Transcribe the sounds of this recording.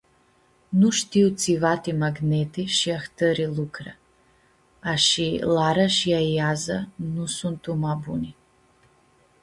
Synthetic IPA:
nuʃt̪iut̪sʰivat̪imaɡnɛt̪ʰiʃiaxt̪ʰəɾilukʰra | ʃilaɾaʃiaiazanusunt̪ʰumabuni

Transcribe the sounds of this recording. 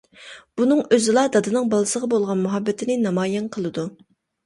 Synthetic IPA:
b̥unɨŋøzɪlˠɑd̪ɑd̪ɨnɨŋbɑlˠɨsəʁɑbolˠʁɑnmuɦɑbːɛt̪ʰɪnɪnɑmɑːjɛnqʰəlˠɨd̪u

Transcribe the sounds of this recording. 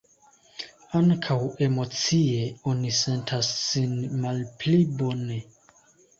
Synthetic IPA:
aŋkʰawe̞mo̞t͡sieo̞nise̞ntʰasːinmalplibo̞ne̞

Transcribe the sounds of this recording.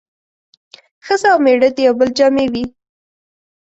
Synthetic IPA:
xəzaawmeɽəd̪ejawbəld͡ʒɑmewi

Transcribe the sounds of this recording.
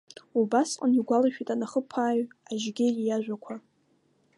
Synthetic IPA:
ubasqʼaniɡʷalaʃᶣitʼanaχəpʰaːɥaʒɡʲɪjaʒᶣʷakʷʰa

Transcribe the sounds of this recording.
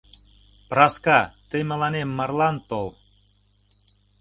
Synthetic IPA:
prɑskɑt̪emĕlɑnemːɑrlɑnt̪ol

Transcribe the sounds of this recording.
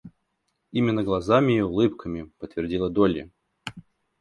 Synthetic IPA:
imʲɪnːəɡlˠɐzamʲɪːʊlˠɨpkʰəmʲɪpət̪vʲɪrdʲilˠəd̪olʲjɪ̰

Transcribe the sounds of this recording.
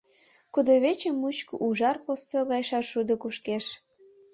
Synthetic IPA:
kud̪oβet͡ɕəmːut͡ɕkoʔuʒɑrpost̪oɣɑjʃɑʃud̪ə̆kuʃkeʃ

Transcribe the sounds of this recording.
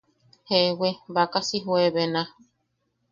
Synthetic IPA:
hewebakasiɦueβenã

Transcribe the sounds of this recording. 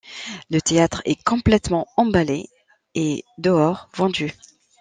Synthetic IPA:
lət̪eat̪χɛ̰kɔ̃plɛt̪mɑ̃ɑ̃bale | ed̪əɔʁvɑ̃d̪y

